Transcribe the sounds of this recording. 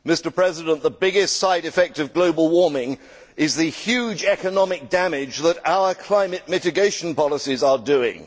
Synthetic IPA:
mɪstə˞pʰɹ̥ɛzɪdə̃nðəbɪɡɪstsaɪɾɨfɛk̚tʌvɡloʊbəl̩ˠwɔɹmɪ̃ŋ | ɪzðɨhjʉːd͡ʒɛkənɑmɪk̚d̥æmɪd͡ʒðəɾaʊə˞kʰl̥ãɪ̃mɨt̚mɪtɨɡeɪʃə̃n̩pɑlˠəsizədʉɪ̰̃ŋ

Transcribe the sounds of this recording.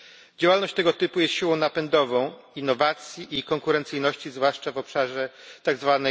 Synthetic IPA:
d͡ʑawalnɔɕt͡ɕt̪ɛɡɔt̪ɘpujɛst̪ɕiwɔ̃w̃napɛnd̪ɔvɔ̃w̃ | inːɔvat̪sʲjiʔikɔŋkuɾɛnt̪sɘjnɔɕt͡ɕizvwaʂt͡ʂavɔpʂaʐɛt̪aɡzvanɛ

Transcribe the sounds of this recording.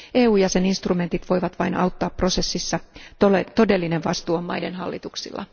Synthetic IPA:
ʔe̞ːuːjɑse̞ninst̪rume̞nt̪it̪ʋo̞jʋɑt̪ʋɑ̰inɑ̰wt̪ːɑːpːro̞se̞sːisːɑoet̪o̞de̞lːine̞ʋʋɑst̪uːomːɑ̰jde̞nɦɑ̰lːit̪uksḭlːɑ̰

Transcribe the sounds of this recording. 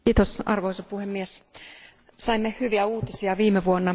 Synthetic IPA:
iːt̪osʔɑ̰rʋoisɑpuhemːies | sɑimːehyʋiæuːt̪isiɑʋiːmeʋuonːɑ

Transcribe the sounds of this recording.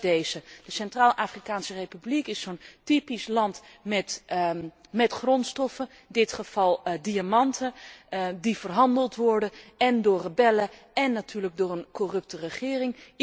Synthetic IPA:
dejzəd̥əsɛntraːlˠʔaːfrikaːnsərejpyblikɪsːontipislɑntmɛt | mɛtχrɔntstɔfən | dɪtχəv̥ɑlˠdiamɑntʰə | divərɦɑndəlˠtʋɔɹdənɛndʊːɹrəbɛlə | ɛnːatyːɹləɡ̚dʊːrənkɔrɵp̚tərəχɪːrɪŋ

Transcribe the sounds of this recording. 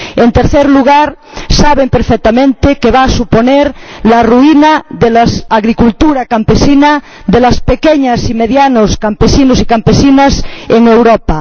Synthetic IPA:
ent̪eɾθeɾluɣ̞aɾsaβempeɾfek̚t̪amẽnt̪ekeβaːsuponeɾlaruinaðelasaɣɾikult̪uɾakampesina | ðelaspekeɲasimeðjanoskampesinosikampesinaseŋewɾopa

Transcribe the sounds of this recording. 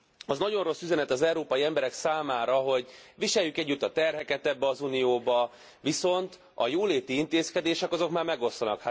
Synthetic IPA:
ɒznɒɟo̞nro̞sːyzɛnɛt̪ɒzɛuɾoːpɒjiɛmbɛɾɛksaːmaːɾɒɦo̞ɟʋiʃɛjːykɛɟːyt̪ːɒt̪ɛrɦɛkɛt̪ɛbːɛɒzunijoːbɒ | ʋiso̞nt̪ | ɒ̰joːleːt̪iint̪eːskɛd̪eːʃɛkɒzo̞kmaːrmɛɡo̞sːɒnɒ̰kha

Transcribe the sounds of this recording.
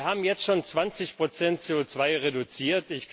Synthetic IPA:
ɦaːbm̩jɛt͡stʃoːnt͡sv̥ant͡sɪçpʁ̥ot͡sɛnt̚t͡seːot͡sv̥aɪʁedut͡siːɐtɪçk

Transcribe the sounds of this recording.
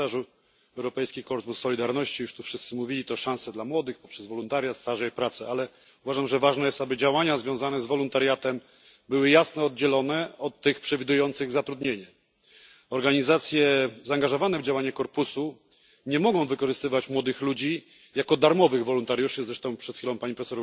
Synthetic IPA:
aʐu | ɛwɾɔpɛjskʲikɔɾpusːɔlʲid̪aɾnɔɕt͡ɕijuʂt̪ufʂɘst̪sɘmuvʲilʲit̪ɔʂãw̃sɛd̪lamwɔd̪ɘxpɔpʂɛzvɔlunt̪aɾʲjat̪st̪aʐɛpɾat̪sɛʔalɛ | uvaʐamʐɛvaʐnɛjɛst̪abɘd͡ʑawaɲazvʲjɔ̃zanɛzvɔlunt̪aɾʲjat̪ɛm | bɘwɘjasnɔɔd̪̚d͡ʑɛlɔnɛɔt̪ːɘxpʂɛvʲid̪ujɔnt̪sɘɣzat̪ɾud̪ɲeɲɛ | ɔɾɡaɲizat̪sʲjɛzaːŋɡaʐɔvanɛvd͡ʑawaɲɛkɔɾpusu | ɲɛmɔɡɔ̃w̃vɘkɔʐɘst̪ɘvat͡ɕmwɔd̪ɘxlud͡ʑi | jakɔd̪aɾmɔvɘɣvɔlunt̪aɾʲjuʂɘzɾɛʂt̪ɔ̃w̃pʂɛt̪xʲfilɔ̃w̃paɲipɾɛsɔɾ

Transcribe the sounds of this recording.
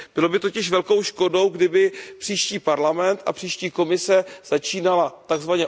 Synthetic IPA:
b̥ɪlo̞bɪt̪o̞cɪʃvɛlko̞wʃko̞do̞wɡdɪbɪpr̥iːʃciːpaɾlamɛnt̪ʔa̰pr̥iːʃciːko̞mɪsɛz̥at͡ʃiːnalat̪aɡzvaɲɛ

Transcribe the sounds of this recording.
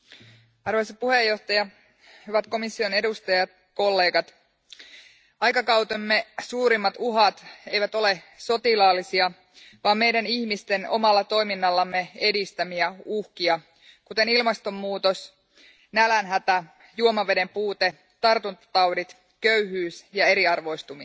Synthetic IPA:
ɑrʋojsɑpuhejːo̞ht̪ɑjɑ | hyʋæt̪ko̞misːio̞ne̞dust̪ɑjɑt̪ | ko̞lːe̞ːɡɑt̪ | ɑjkɑkɑwt̪emːesuːɾimːɑt̪uɦɑt̪e̞jʋæt̪o̞le̞ | so̞t̪ilɑːlisiɑ | ʋɑːmme̞jdæniçmist̪e̞no̞̰mɑlːɑt̪o̞jminːɑlːɑmːee̞dist̪æmiæuhkiɑ | kut̪e̞nilmɑst̪o̞mːuːt̪os | nælænɦæt̪æ | juomɑʋe̞de̞mpuːt̪e | t̪ɑrt̪unt̪ɑ̥t̪ɑwdit̪ | køyɦyːsjɑe̞ɾiɑrʋo̞ist̪umi

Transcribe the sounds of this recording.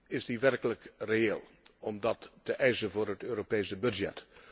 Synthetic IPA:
ɪsdiʋɛrkələkreeːlˠɔmdɑtːəʔɛjsənvʊːɹɦətøːɾopejsəbɵd͡ʒɛ̰t

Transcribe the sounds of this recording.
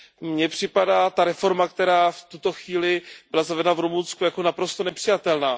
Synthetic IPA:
mɲɛpr̝̥ɪpadaːt̪aɾɛfo̞ɾmak̚t̪ɛɾaːft̪ut̪o̞xviːlɪbɪlazavɛdɛnavɾumunskujako̞napɾo̞st̪onɛpr̥ɪjat̪ɛlnaː

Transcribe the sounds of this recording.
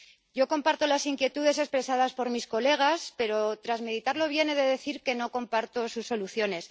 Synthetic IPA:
ɟ͡ʝo̞ko̞mpaɾt̪o̞lasiŋkje̞t̪uðe̞se̞spɾe̞saðaspo̞ɾmisko̞le̞ɣ̞aspe̞ɾo̞t̪ɾazme̞ðit̪aɾlo̞β̞je̞ne̞ðe̞ðe̞θiɾke̞no̞ko̞mpaɾt̪o̞susːo̞luθjo̞ne̞s

